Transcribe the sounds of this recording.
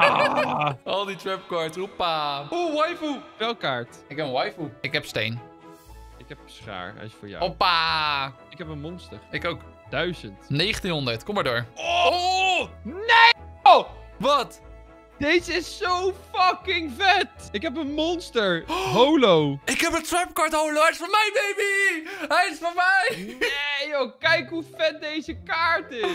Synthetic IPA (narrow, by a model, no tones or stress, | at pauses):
ɑlˠditɹɛp̚kɑːɹtsopaowajfuʋɛlˠkaːɹt | ɪkɦɛpənwajfuɪkɦɛpstejn | ɪkɛpsχa̰ːɹa̰ʃfʊ̰ja̰opaː | ɪkɦɛpənmɔnstəɹɪkowk | d̥œɥzəntnejχəntinɦɔndəɹtkʊmaɹdʊːɹo | neoʋɑt | d̥ejzəɪsːowfɑkɪŋfɛtɪkɦɛp̬ənmɔnstəɹɦowlowɪkɦɛpəntɹɛpəkɑːɹtɦowlowɦɛɪsfɔnmɛjbejbiɦɛjɪsfɔnmɛjnɛokɛjkɦufɛt̚dejzəkaːɹtɪs